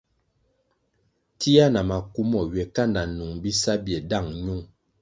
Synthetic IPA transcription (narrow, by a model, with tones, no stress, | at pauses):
ti˦a˦na˨ma˨ku˦mɔ˨ɥɛ˨ka˦˨nda˨nu˨ŋbi˦sa˦bjɛ˨da˦˨ŋɲu˦ŋ